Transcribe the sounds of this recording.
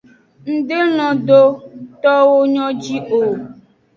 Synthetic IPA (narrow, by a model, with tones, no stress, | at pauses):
ŋ̩˦ɖe˦nɔ̃˨ɖ̪o˦t̪ɔ˦wo˦ɲɔ̃˦d͡ʑi˦ʔo˨